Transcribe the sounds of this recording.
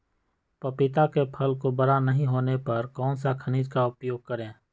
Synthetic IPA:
pɐpɪt̪akepʰəlkobəɾanəɦĩɦoːnepɐɾkɔːnsakʰəniːd͡ʒkaʊpjoːɡ̚kəɾẽː

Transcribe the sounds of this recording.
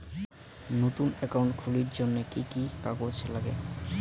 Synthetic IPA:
not̪unɛkawɳʈkʰuliɾd͡ʑonːekikikakot͡ɕlaɡḛ

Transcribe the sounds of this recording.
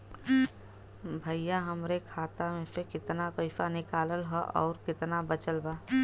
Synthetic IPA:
bʱəijaɦəmɾekʰaːt̪amẽsekɪt̪napəɪfanɪkaːləlɦɔʔɔ̰ːɾkɪt̪nabət͡ʃəlbaː

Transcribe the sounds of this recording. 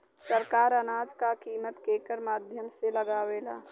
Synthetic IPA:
səɾkaːɾənaːd͡ʒkakiːmət̪keːkəɾmaːd̪ʱjəmseləɡaːʋeːla̰ː

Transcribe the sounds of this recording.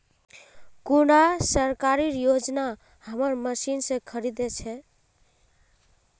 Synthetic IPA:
kuɽasəɾkaɾiɾjod͡ʒna | həməɾməsinsə̃kʰəɾid̪et͡ʃʰɛ

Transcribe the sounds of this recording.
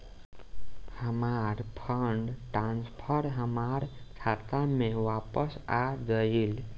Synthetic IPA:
həmaɾpʰəɳɖʈɾãnspʰəɾɦəmaɾkʰat̪amẽʋapəsad͡ʒəil

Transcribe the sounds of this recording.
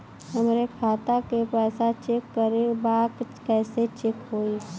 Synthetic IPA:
ɦəmɾekʰaːt̪akepɛːsat͡ʃekːəɾebaːkkɛːset͡ʃekɦoːi

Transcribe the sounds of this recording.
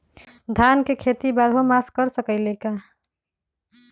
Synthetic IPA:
d̪ʱankekʰet̪ibaɾɦomaskəɾsəkəɪleka

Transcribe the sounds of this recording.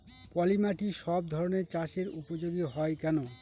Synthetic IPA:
pɔlimaʈiʃɔb̚d̪ʱɔɾoneɾt͡ɕaʃeɾupod͡ʑoɡiɦɔekɛno

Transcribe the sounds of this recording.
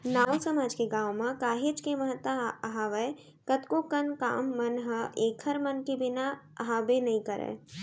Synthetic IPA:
naːwsəmaːd͡ʒkeɡãːwmãkaːɦet͡ʃkemɐɦət̪əəɦaːʋəe | kət̪kokənka̰ːmːɐnɦəʔeːkʰəɾmənkebɪnaɐɦaːbenɐɦĩkɐɾḛː

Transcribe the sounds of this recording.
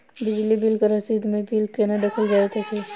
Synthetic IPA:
bɪd͡ʒlibilkɐɾɐsid̪mẽbilkenad̪ɐkʰəld͡ʒaːet̪ʰet͡ʃʰe

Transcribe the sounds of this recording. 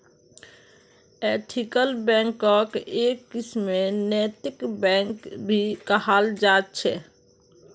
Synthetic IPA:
eʈʰikəlbɛ̃ŋkɔkekːismenɛt̪ikbɛ̃ŋkbʱikəhald͡ʒat̪̚t͡ʃʰɛ

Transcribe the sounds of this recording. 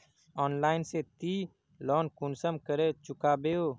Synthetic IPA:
ɔːnlaːɪnset̪i | lɔːnkʊnsəmkəɾet͡ʃʊkaːbeːoː

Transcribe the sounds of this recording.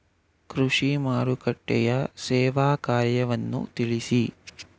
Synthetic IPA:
kɾuʂimaːɾukɐʈːɛ̰jɐsɛːʋaːkaːɾjɐʋɐnːṵt̪iɭisi

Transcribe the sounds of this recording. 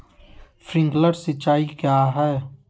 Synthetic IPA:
fɾɪ̃ŋɡləɾsɪt͡ʃːaːikjaːɦɛː

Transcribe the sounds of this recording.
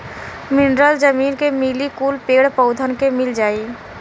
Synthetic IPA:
mɪɳɖɾəld͡ʒəmiːnkemiːlikuːlpeːɽpəʊd̪ʱənkemɪld͡ʒaːiː

